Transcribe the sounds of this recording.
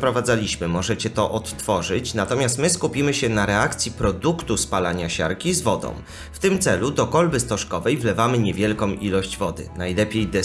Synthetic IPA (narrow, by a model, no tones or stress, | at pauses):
pɾɔvad̪zalʲiɕmɘmɔʐɛt͡ɕɛt̪ɔʔɔt̪ːfɔʐɘt͡ɕnat̪ɔmʲast̪mɘskupʲimɘɕɛnaɾɛakt̪sʲjipɾɔd̪ukt̪uspalaɲaɕa̰ɾkʲizvɔd̪ɔ̰̃w̃ | ft̪ɘmt̪sɛlud̪ɔkɔlbɘst̪ɔʂkɔvɛjvlɛvamɘɲɛvʲjɛlkɔ̃w̃ilɔɕd͡ʑvɔd̪ɘ̰najlɛpʲjejd̪ɛ